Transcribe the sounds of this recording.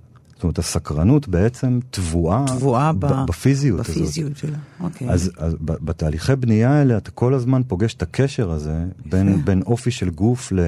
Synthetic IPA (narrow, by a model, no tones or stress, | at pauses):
sstomeet̪asakʁanutbe̞et͡se̞mt̪vuavabbafizijutazotokazazbabet̪aːliχebnijaeleat̪ḁko̞lazmanpo̞ɡeʃe̥takʰe̞ʃe̞ʁaze̞benbeno̞fiʃe̞lɡufle